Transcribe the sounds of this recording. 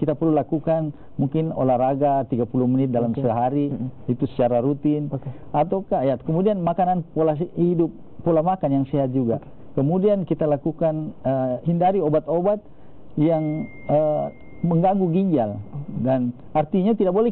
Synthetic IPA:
kit̪apərlulakukan | muŋkɪno̰laraɡat̪iɡapuluhmənɪt̪̚dalamsəɦaɾiit̪usə̥t͡ʃaɾaɾut̪in | at̪awkajat̪kəmudianmakananpolahidʊp̚ː | ulamakanjaŋsɛɦat̪̚d͡ʒuɡa̰ | kəmudiankit̪alakukanəhindaɾiobat̪obat̪̚ | jaŋ | ə | məŋɡaŋɡuɡiɲd͡ʒaldan | art̪iɲat̪idak̚bolɛ

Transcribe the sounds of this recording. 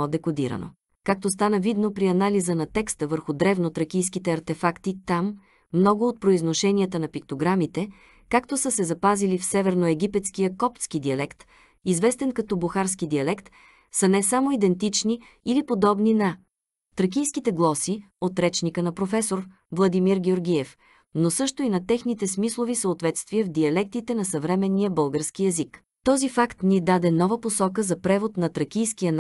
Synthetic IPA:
ɔd̪ɛkod̪iɾə̰no̰ | kak̚t̪ost̪anəvid̪nopɾiɐnalizənɐt̪ɛkst̪əvəɾxʊd̪ɾɛvnot̪ɾɐkʲijskit̪ɛɐɾt̪ɛfakt̪it̪amː | nɔɡʊot̪̚pɾoiznoʃɛnʲiət̪ənɐpik̚t̪oɡɾamit̪ɛ | kakt̪osəsɛzɐpazilifsɛvɛɾnoɛɡ̟ʲipɛt̪skijəkɔpt̪skid̪iɐlɛkt̪ | izvɛst̪ɛnkɐt̪ɔbuxaɾskid̪iɐlɛkt̪ | sənɛsamoid̪ɛnt̪it͡ʃniː | lipod̪ɔbninɐ | t̪ɾək̬ʲijskit̪ɛɡlˠɔsi | ot̪ɾɛt͡ʃnikənɐpɾofɛsoɾ | vlˠɐd̪imiɾɡʲɛoɾɡʲiɛf | nosɤʃt̪oinɐt̪ɛxnit̪ɛsmislˠovisəot̪vɛt̪st̪viɛvd̪iɐlɛk̚t̪it̪ɛnɐsɐvɾɛmɛnːijəbɤlˠɡəɾskiɛzik | t̪ɔzifakt̪nid̪ad̪ɛnɔvəposɔkəzɐpɾɛvot̪nɐt̪ɾɐk̟ʲijsk̟ijən

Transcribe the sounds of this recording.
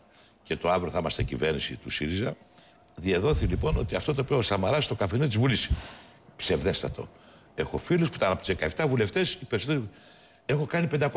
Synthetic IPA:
ce̞t̪o̞ɐvɾioθimɐst̪ḛcḭve̞ɾnisḭt̪usiɾizɐ | ðieðo̞θilipo̞no̞̰t̪iɐft̪ot̪oːpiost̪ɐmɐɾɐst̪okɐfeniot̪izvulis | pse̞vðe̞st̪ɐt̪o̞̰ | e̞xo̞filespuit̪ɐnɐpot̪zðekɐeft̪ɐvule̞ft̪e̞sipe̞ɾisot̪eɾi | exo̞kɐnipe̞nd̪ɐko

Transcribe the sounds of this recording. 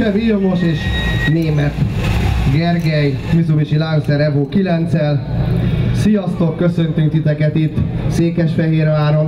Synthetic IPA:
ɛvilmoʃeːʃneːmɛt̪ɡɛrɡɛjmyzuvit͡ʃilaŋzɛɾɛvoːkilɛnt̪sɛl | sijɒst̪okːøsø̞nt̪yŋkt̪it̪ɛkɛt̪it̪ːseːkɛʃfɛɦeːɾaːɾom

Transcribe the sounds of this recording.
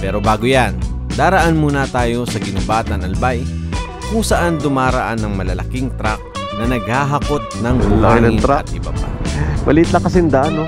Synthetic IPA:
pɛːɾo̞baːɡojan | d̪aːɾɐʔanmuːnɐt̪aːjo̞sɐɡɪnʊbaːt̪ɐnɐlbaj | kʊŋsɐʔand̪ʊmaːɾɐʔanːɐŋmɐlɐlɐkɪŋt̪ɾak̚ | nɐnɐɡ̚haɦɐkot̪̚nɐŋbʊlanɐɪnaɐt̪̚ʔɪbɐpa̰mɐlit̪lɐkɐsɪnd̪ano

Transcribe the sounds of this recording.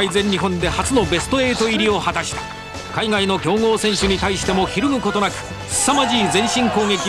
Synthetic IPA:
aizẽ̞ɲ̟ːiɦõ̞nd̪e̞hat͡sɨno̞be̞sɨ̥t̪o̞e̞ːt̪o̞iɾʲio̞hat̪aɕi̥t̪ḁ | kaiɡaino̞kʲo̞ːŋo̞ːsẽ̞ɰ̃ɕɨɲ̟it̪aiɕi̥t̪e̞mo̞çiɾɯmɯ̟ko̞t̪o̞nakɯ̟̥ | i̥samaʑiːd͡zẽ̞ɰ̃ɕĩŋko̞ːɡe̞kʲi

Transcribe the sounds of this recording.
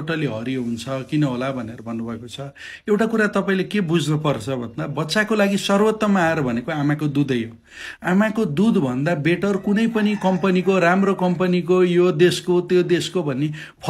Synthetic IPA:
ʈʌliɦʌɾiɦunt͡sʰʌkinʌɦolabʱʌneɾʌbʱʌnːubʱʌekot͡sʰʌ | ewʈakuɾat̪ʌpaĩlekebud͡znupʌrt͡sʰʌbʱʌnd̪abʌtːsakolaɡisʌrwʌt̪ːʌmaːeɾʌbʱʌnekoamakod̪ud̪ʌjo | amakod̪ud̪bʱʌnd̪abeʈʌrkunʌjpʌnikʌmpʌnikoɾamrokʌmpʌnikojod̪eskot̪jod̪eskobʱʌnːe | pʰ

